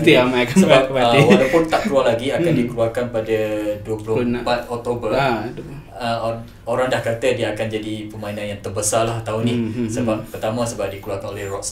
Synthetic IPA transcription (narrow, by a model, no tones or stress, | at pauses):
t̪iamakasəap̚bawlapʊnt̪aʔkəluarlaɡiakandikəluarkanpadəduəpulʊpat̪̚ɔk̚t̪obərd | ə | oɾaŋdahkart̪ədiəakand͡ʒadipəmainãnjaŋt̪ərbəsalaht̪aunihsəbap̚ːərt̪amə̃səbap̚dikəluarkanolɛhrɔks